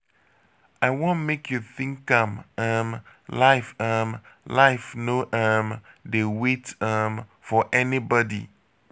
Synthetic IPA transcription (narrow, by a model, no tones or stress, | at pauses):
aɪwõnmekjuθĩŋkːãmãmlaɪfamlaɪfnoʔamdewetamfɔʔɛnibɔdḭ